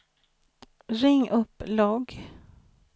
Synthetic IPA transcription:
ɾɪŋːʔɵpːlɑːɡ

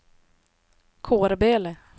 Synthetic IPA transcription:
kʰoːɾbeːlə

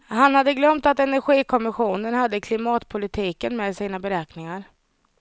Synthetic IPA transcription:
hanhad̪ːəɡlœmt̪at̪ɛnæɾɧiːkʰɔmɪɧuːnənhad̪ːəkʰlɪmɑːt̪pʰʊlɪt̪ʰiːkənmɛːd̪siːnabɛɾɛːknɪŋaɾ

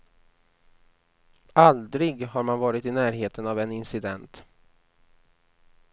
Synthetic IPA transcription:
ald̪ɾɪɡɦaɾmanvɑːɾɪt̪ɪnæːɾɦeːt̪ənavɛnɪnsɪd̪ɛnt̪

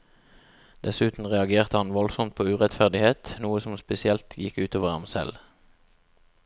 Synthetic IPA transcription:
d̪̥ɛsʉːt̪n̩ʁɛɑɡeːʁt̪əhɑnʋɔlsɔmt̪̚pʰoːʉːʁɛt̪fæʁd̪ɪheːt̪nuːəsɔmspɛsɪɛlt̪ʰjɪkʉːt̪oːʋəʁɑ̰msɛ̰l

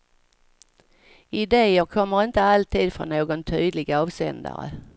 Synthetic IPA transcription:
ɪd̪eːəkʰɔmːəɾɪnt̪əalt̪ʰiːd̪fɾɔ̰nːoːɡɔnt̪ʰyːd̪lɪɡaɑːvsɛ̰nd̪a̰ɾə̰

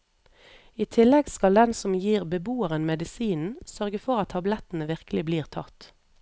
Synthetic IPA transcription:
iːt̪ʰɪlɛɡskɑld̪ɛnsɔmjiːʁbəbuːəʁənmɛd̪ɪsiːnn̩sœʁɡəfɔʁɑt̪ʰːɑblɛt̪n̩əʋɪʁkəlɪbliːʁt̪ʰɑ̰t̪

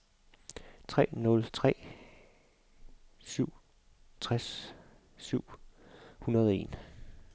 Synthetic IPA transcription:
t͡sʰʁɛ̰ːnɔ̽lt͡sʰʁɛ̰ː | syʊ̰ | t͡sʰʁas | syʊ̰hunɐð̞ˠe̝̰ːn

